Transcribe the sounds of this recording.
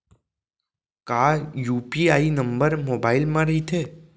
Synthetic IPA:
kajuːpiaːinəmbəɾmobailmãɾəɦit̪ʰe

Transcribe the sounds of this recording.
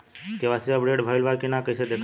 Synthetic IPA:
keʋasiabɽeɖbʱəelʋakinakəjt͡ʃʰed̪ekʰ

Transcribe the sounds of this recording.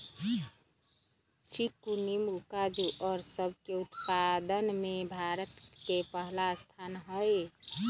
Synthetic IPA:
t͡ʃʰikunimukad͡ʒuʔɔːɾsəb̚ʱkeut̪pad̪ənmẽbʱaɾət̪kepəɦlast̪ʰaːnɦəj

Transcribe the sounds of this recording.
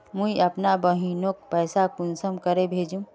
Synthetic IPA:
mũiəpnabəɦinok̚pɛɪsakunsəmkəɾebʱeːd͡ʒũ

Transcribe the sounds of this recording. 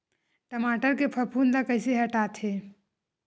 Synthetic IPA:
ʈəmaːʈəɾkepʰəɾpʰuːnd̪akɐɪseɦɐʈaːt̪ɦeː

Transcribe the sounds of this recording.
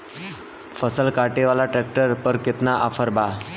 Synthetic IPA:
fəsəlkaʈeʋalaʈɾɛk̚ʈəɾpəɾket̪naʔafəɾba

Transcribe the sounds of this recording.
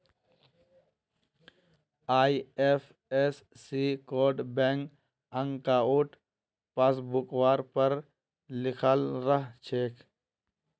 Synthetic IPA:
aːiefʰ | esːiːkoːɖbẽːŋk | ə̃ŋɡkaːuʈ | paːs̬bukwaːɾpəɾ | lɪkʰəlɾəɦt͡ʃʰeːk

